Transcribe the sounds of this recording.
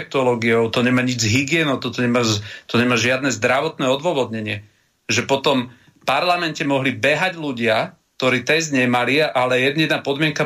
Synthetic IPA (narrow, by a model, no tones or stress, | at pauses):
k̚t̪ɔlɔːɡiɔʊt̪ɔɲɛmaːɲid͡zɦiɡɪɛnɔʊt̪ɔt̪ɔɲɛmaːt̪ɔɲɛmaːʒɪad̪nɛːzd̪ɾaʋɔt̪nɛːɔd̪ʋɔʋɔd̪ɲɛɲɪɛ | ʒɛpɔt̪ɔm | paɾlamɛncɛmɔɦlibɛɦaɟluɟɪak̚t̪ɔɾiːt̪ɛjzɲɛjmaliaʔalɛjɛd̪nɛd̪naːpɔd̪mɪɛŋka